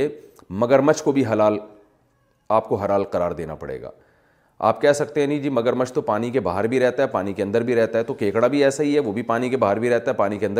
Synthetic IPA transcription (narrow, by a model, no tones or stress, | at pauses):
e | mɐɡəɾmɐt͡ʃkobʱiɦɐlaːl | aːp̚koɦɐlaːlqɐɾaːɾd̪ḛːna̰pɐ̰ɽḛːɡa̰ː | a̰ːpkɛɦsɐk̚t̪eɦɛ̃nĩd͡ʒiːmɐɡəɾmət͡ʃʰt̪opaːnik̬ebaːɦəɾbʱiɾɛɦt̪aɦɛpaːnikeɐ̃nd̪əɾbʱiɾɛɦt̪aɦɛt̪okeːkɽabʱiɛːsaɦiɦɛʋobʱipaːnikebaːɦəɾbʱiɾɛɦt̪aɦɛpaːnikeɐ̃nd̪ə